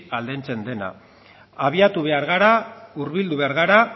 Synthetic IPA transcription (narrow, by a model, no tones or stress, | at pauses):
ald̪e̞nt͡se̞nd̪e̞na̰ | aβ̞iat̪uβe̞aɾɣaɾauɾβild̪uβe̞aɾɣaɾa